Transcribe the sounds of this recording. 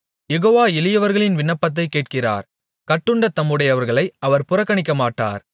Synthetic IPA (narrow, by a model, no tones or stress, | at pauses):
jɛɣoːʋaːɪlɪjɐʋɐɾɣɐɭɪnʋɪɳːɐpːɐt̪̬ːɐɪkːeːʈ̚kɪra̰ːɾ | kɐʈːɯɳɖɐt̪ɐmːɯɽɐjɐʋɐɾɣɐɭɐɪʔɐʋɐɾpʊrɐkːɐɳɪkːɐmaːʈːa̰ːɾ